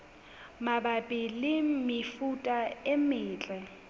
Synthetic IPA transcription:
mabapʼɪlɪmɪfutʼaɪmɪːt͡ɬʼɛ

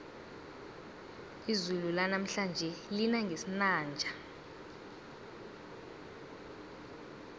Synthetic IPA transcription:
izululanam̩ɬand͡ʒʱɛlinaŋɡʱesinaːnd͡ʒʱa

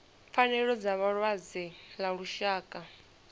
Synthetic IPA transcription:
fanɛɺɔd͡zaβaɺwazilaɺuʃaːkʼa

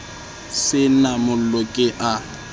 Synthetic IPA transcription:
sɪnamʊllɔkʼɪʔa

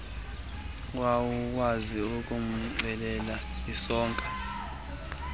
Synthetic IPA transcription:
wawuk̬waziuk̬ʼum̩ŋ͡ǀɛlɛlaisɔːŋkʼḁ

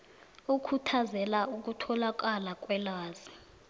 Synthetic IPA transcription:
ukʰutʰazɛlauk̬ʼutʰɔlak̬ʼalak̬ʼwɛlaːzi

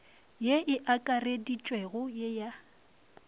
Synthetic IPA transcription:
jeʔɪʔakʼaredit͡ʃʼwɛɣʊjeja

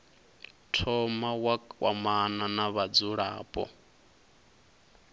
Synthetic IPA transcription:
tʰɔmawawamananaβad͡zuɺa̰ːpʼɔ̰

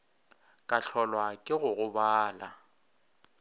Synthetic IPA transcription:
kʼaɬʰɔlwakʼɪɣʊɣʊbaːla

